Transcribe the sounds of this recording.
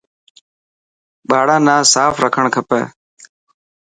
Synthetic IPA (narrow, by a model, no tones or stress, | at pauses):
ɓaːɽãːnãːsaːfɾəkʰəɳkʰəpɛ̰ː